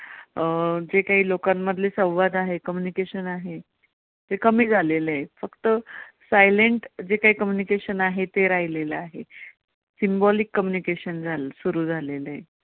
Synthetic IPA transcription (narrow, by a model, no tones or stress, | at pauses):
d͡ʑekaɦiːlokãmːəd̪ʱlesə̃w̃ʋad̪aɦekəmjunikeɕənaɦe | t̪ekəmiːd͡zʱalelajfəkt̪əsajleɳʈd͡ʑekaɦiːkəmjunikeɕənaɦet̪eɾaɦileləaɦe | simbɔlikːəmjunikeɕənd͡zʱalsuɾuːd͡zʱalela